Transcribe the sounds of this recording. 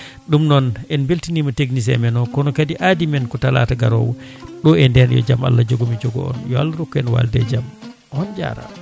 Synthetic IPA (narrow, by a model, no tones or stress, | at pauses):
ɗumnɔnɛnbeltinimɔteɡnis̬ɛ̰mɛnɔkɔnɔkadiʔadimɛnkɔtala̰ːtaɡaɾɔ̰wɗɔɛndɛnjɔ̰d͡ʒama̰lːad͡ʒoɡomid͡ʒɔɡɔ̰ɔ̰njɔa̰lːaɾɔkːɔɛnwa̰ldɛ̰d͡ʒam | hɔnd͡ʒa̰ːɾa̰